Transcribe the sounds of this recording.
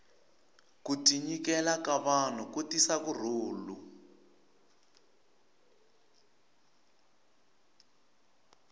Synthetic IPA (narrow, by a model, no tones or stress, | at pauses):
kutiɲikɛlakaβan̤ukutisakur̤uːlu